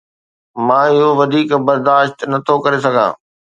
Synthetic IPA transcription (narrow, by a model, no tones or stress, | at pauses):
mãːɪɦoʋɐd̪ʱiːkbɐɾd̪aːʃt̪nɐt̪ʰokɐɾesɐɡʱã̰ː